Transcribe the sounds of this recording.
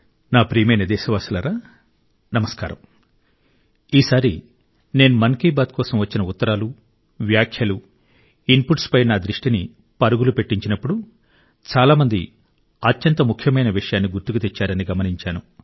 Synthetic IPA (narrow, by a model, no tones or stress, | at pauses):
naːpɾiːjmɐjnɐd̪ɛːʃɐʋaːsulɐɾaː | nɐmɐska̰ːɾɐ̰m | iːsaːɾi | ne̞ːnumɐnkiːbaːt̪̚kɔːsɐmʋɐt͡ʃːinɐut̪ːɐɾaːlu | ʋjaːkʰjɐlu | inpuʈspɐjnaːd̪ɾiʂʈini | pɐɾuɡulupe̞ʈːiɲt͡ʃinɐpːuɽu | t͡ʃaːlaːmɐnd̪i | ɐt̪jɐnt̪ɐmukʰjɐmɐjnɐʋiʂɐjaːnːiɡuɾt̪ukut̪et͡ʃːaːɾɐniɡɐmɐniɲt͡ʃaːnu